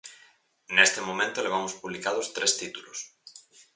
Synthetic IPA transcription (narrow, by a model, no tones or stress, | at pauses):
nest̪emõmẽnt̪oleβ̞amospuβlikaðʊst̪ɾʔest̪it̪ulos